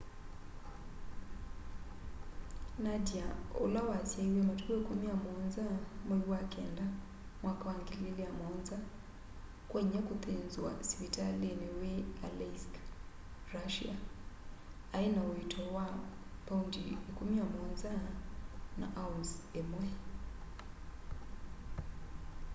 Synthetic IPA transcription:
nadiaṵlawasiaiwɛmatuɡɛkumiamɔnzamwɛiwakɛnda | mwakawaŋɡililiamɔnza | kwɛɲɛkuθenzwa̰switalenɛwealɛsk | ɾaʃḭa | ainauitʰɔwapaundiekumiamɔɲza | na̰ʔaunzɛmwɛ

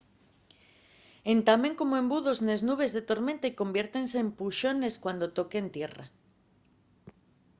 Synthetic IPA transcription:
ent̪ameŋko̞moẽ̞mbuðozneznuβ̞e̞zðet̪o̞ɾmẽ̞nt̪aikombjeɾt̪enseːmpuʃo̞neskwand̪ot̪o̞kent̪jera̰

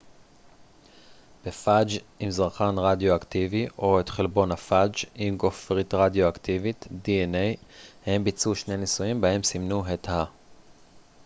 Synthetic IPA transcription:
b̥efad͡ʒimzaʁχanʁadjoakt̪iviʔo̞etχelbo̞nhafad͡ʒimɡofʁitʁadjoaktivit̪dienejhembit͡suʃne̞nisuimbae̞msimnuɦet̪ha

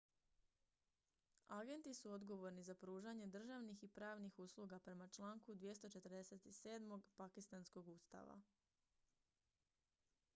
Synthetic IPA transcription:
aɡe̞nt̪isuod̪ɡo̞ʋo̞ɾnizapɾuːʒaɲe̞d̪r̩ʒaʋnixipɾaːʋnixuslˠuɡapɾe̞mat͡ʃlˠaːŋkud̪ʋje̞st̪o̞t͡ʃe̞t̪ɾd̪ese̞t̪ise̞ːd̪mo̞ɡpakist̪ansko̞ɡuːst̪a̰ʋa̰

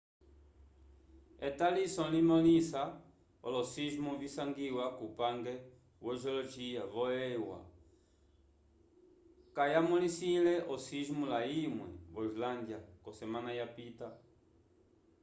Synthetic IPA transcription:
et̪alisɔ̃limolisa | o̰losiʒmuvisaŋɡiwakupaŋɡe | wɔʒoloʒiavoewa̰ | kajamulisĩlɛʔosiʒmulaimwɛ̰βoizland̪jakosemãnajapit̪a

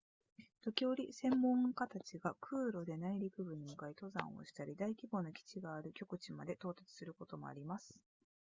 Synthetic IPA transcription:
t̪o̞kʲio̞ɾʲisẽ̞mːõ̞ŋkat̪at͡ɕiɡakʰɯ̟ːɾo̞d̪e̞naiɾʲikɯ̟bɯ̟ɲ̟imɯ̟kait̪o̞zã̰o̞̰ɕi̥t̪aɾʲid̪aikʲibo̞ːno̞kʲi̥t͡ɕiɡaːɾɯ̟kʲo̞kɯ̟t͡ɕimad̪e̞t̪o̞ːt̪at͡sɨ̥sɨɾɯ̟ko̞t̪o̞mo̞̰a̰ɾʲimasɨ̥

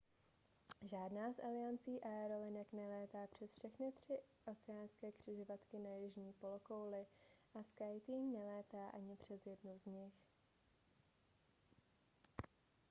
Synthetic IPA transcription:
ʒaːdnaːsʔalɪjant͡siːʔaɛɾo̞lɪnɛknɛlɛːt̪aːpr̝̥ɛsfʃɛxnɪt̪r̝̥ɪʔo̞t͡sɛjaːnskɛːkr̝̥ɪʒovat̪kɪnajɪʒɲiːpo̞loko̞wlɪʔaskajt̪iːɲnɛlɛːt̪aːʔaɲɪpr̝̥ɛzjɛdnuzɲɪx

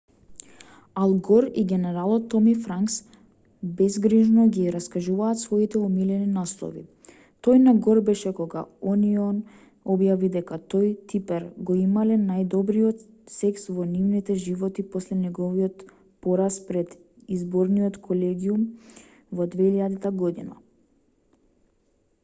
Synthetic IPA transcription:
alˠɡɔɾiɡɛnɛɾalˠɔt̪ːɔmifɾaŋks | bɛzɡɾiʒnɔɡiɾaskaʒuvaːt̪svɔit̪ɛumilɛninaslˠɔ̰vḭ | t̪ɔjnaɡɔɾbɛʃɛkɔɡa̰ɔniɔn | ɔbjavid̪ɛkat̪ojt̪ipɛɾɡɔimalɛnajd̪ɔbɾiɔt̪ | sɛksvɔnivnit̪ɛʒivɔt̪ipɔslɛnɛɡɔviɔt̪ | pɔɾaspɾɛd̪ | izbɔɾniɔt̪kʰɔlɛɡium | vɔd̪vɛiʎad̪it̪aɡɔd̪ina̰

